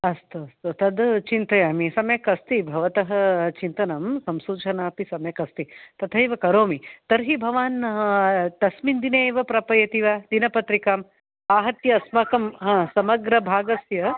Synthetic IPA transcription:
ɐst̪uɐst̪ut̪ɐd̪t͡ʃint̪ɐjaːmisɐmjɐkɐst̪ibʱɐʋɐt̪ɐɦɐt͡ʃint̪ɐnɐmsɐmsuːt͡ʃʰɐnaːpisɐmjɐkɐst̪it̪ɐt̪ʰɐjʋɐkɐɾoːmit̪ɐɾɦibʱɐʋaːn | t̪ɐsmind̪ineːʋɐpɾɐpɐjɐt̪iʋad̪inɐpɐt̪ɾikaːm | aːɦɐt̪jɐɐsmɐkɐmɦãːsɐmɐɡɾɐbʱaːɡɐsjɐ

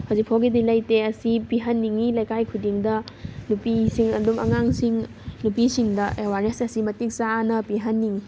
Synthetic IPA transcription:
hawzik̚pʰawɡidilɐjteɐsipiɦɐnːiŋilɐjkajkʰudiŋdɐnupisiŋɐdumɐ̰ŋaŋsiŋ | nupisiŋdɐʔewaɾnesɐsimɐtik̚sanɐpiɦɐnːiŋi

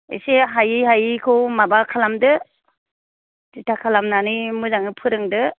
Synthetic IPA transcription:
ḛseɦajiɦajikʰɯwmabakʰalamdɯ | titʰakʰalamnanɯmɯzaŋɯpʰɯɾɯŋdɯ

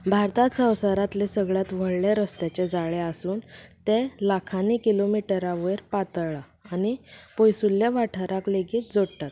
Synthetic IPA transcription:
bʱaɾt̪at̪sə̃wsəɾat̪lesəɡɭjat̪ʋ̤əɭleɾəst̪at͡ɕed͡zaɭeasuːnt̪elakʰanikilomiʈəɾaʋəjɾpat̪ɭaː | nipojsulːjaʋaʈʰəɾakleɡiːt̪̚d͡zoɽt̪at̪

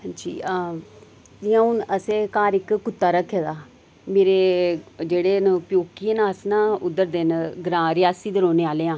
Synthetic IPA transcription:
d͡ʒḭːa | ɪãːʊnəsẽːkaːɾɪkkʊt̪ːaːɾəkʰːeːd̪aː | meːɾeːd͡ʒeːɽeːnpjoːkieːnaːsnãːʊd̪əɾd̪ɪnɡɾãːɾɪjaːsiːd̪əɾoːneːaːleːãː

